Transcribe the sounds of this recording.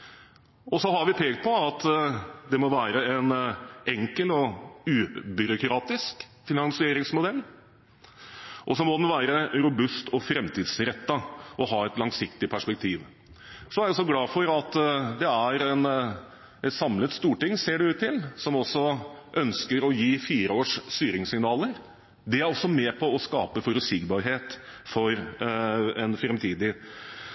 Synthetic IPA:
ɔsɔɦɑɾʋɪpʰeːɡt̪̚pʰɔɑt̪d̪ɛmɔʋæːɾəɛnɛŋkəlɔʉːbʏɾʊkɾɑːt̪ɪsk | fɪnɑŋsɪeːɾɪŋsmʊd̪ɛlː | ʔɔsɔmɔd̪ɛnʋæːɾəɾʊbʉst̪ʰɔfɾɛmt̪ʰiːd̪sɾɛt̪ːɑɔɦɑːɛt̪lɑŋsɪkt̪ɪpʰæʂpɛk̚t̪ʰiːʋ | sɔæɾɔsːɔɡlɑːfɔɾɑt̪d̪ɛæɾɛn | ɛt̪sɑmlət̪st̪uːʈɪŋːseːɖɛʉːt̪ʰːɪlsɔmɔsːɔʔœnskəɾɔjiːfiːɾəoːʂst̪yːɾɪŋsɪŋnɑːləɾ | d̪ɛæɾɔsːɔmɛːpʰɔɔskɑːpəfɔɾʉsɪɡbɑɾɦeːt̪ | fɔɾ | ɛnfɾɛmt̪ʰiːd̪ɪ

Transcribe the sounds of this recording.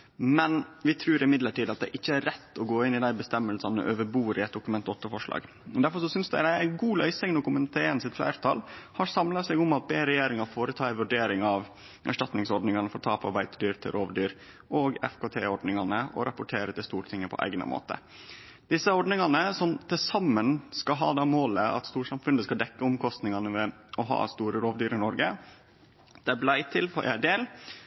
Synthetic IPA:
mɛnʋɪt̪ʰɾʉːɾɪmɪd̪ləʈiːd̪ɑt̪̚d̪ɛʔɪçːəæɾːɛt̪ːɔɡoːɪnːɪd̪æɪbəst̪ɛmːəlsɑnə̰ʔøːʋəbuːɾʔɪæɪt̪̚d̪ʊkʉmɛnt̪ɔt̪ːəfɔʂlɑ̰ːɡ | d̪æɾfɔɾʂɔsʏnsd̪æ̰ɪd̪æɪæɪɡuːlœʏsɪŋnɔkʊmənt̪ʰeːənsɪt̪flæ̰ɪɾt̪ʰɑ̰ːlhɑɾsɑmlɑsɛɡʊmɑt̪̚beːɾɛjeːɾɪŋɑfoːɾət̪ʰɑːɛʋʉɖeːɾɪŋɑʋ | ʔæ̰ʂʈɑt̪nɪŋsɔɖnɪŋɑnəfɔɾt̪ʰɑːpɑ̰ɾbæɪt̪dyːɾt̪ʰɪ̰lɾʔoːʋɖyːɾ | ʔoːɡɛ̰fkoːt̪ʰeːɔɖnɪŋɑnəɔ̰ɾʔɑpʊʈʰeːɾət̪ʰɪlst̪uːɾʈʰɪŋːəpʰɔ̰ʔæ̰ɪɡnə̰mʔo̰ːt̪ə̰ | d̪̥ɪsːəɔɖnɪŋɑnəsɔmt̪ʰɪlsɑmːənskɑɦɑ̰ːd̪ɑːmoːləɑ̰t̪st̪uːʂɑmfʉnd̪əskɑld̪ɛkːəʊmkʰɔst̪nɪŋɑnəʋɛɔɦɑ̰ːst̪uːɾəɾoːʋd̪yːɾɪnɔɾɡə | d̪̥ɛblæɪt̪ʰɪlfɔɾʔæɖeːl

